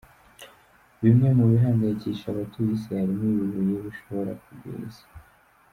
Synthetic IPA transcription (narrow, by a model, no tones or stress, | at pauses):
βimŋe̞muβiɦaːŋɡajiciʃaβatuɾisihaɾimŋijuvujeβuʃo̞βo̞ɾa̰kubɡḭːzḁ